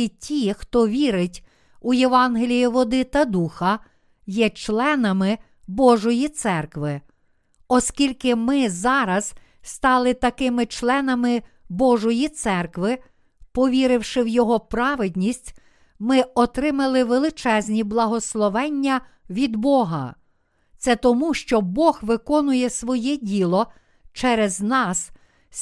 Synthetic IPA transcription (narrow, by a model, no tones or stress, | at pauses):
itʲixt̪ɔʋʲiɾɪtʲ | ujeʋɑnɦelʲijiʋɔd̪ɪt̪ɐd̪uxɐ | jɛt͡ʃlˠɛnɐmɪ | bɔʒɔjit̪sɛrkʋɪ | ɔskʲilʲkɪmɪzɑɾɐz̥ | st̪ɑlˠɪt̪ɐkɪmɪt͡ʃlˠɛnɐmɪ | bɔʒɔjit̪sɛrkʋɪ | pɔʋʲiɾɪwʃɪwjɔɦɔpɾɑʋɪd̪ʲnʲisʲtʲ | mɪɔt̪ɾɪmɐlˠɪʋelˠɪt͡ʃɛzʲnʲiblˠɐɦɔslˠɔʋɛnʲːɐ | ʋʲid̪bɔɦɐ̰ | t̪sɛt̪ɔmuʃt͡ʃɔbɔxʋɪkɔnʊjɛsʋɔjɛdʲilˠɔ | t͡ʃɛɾɛznɑs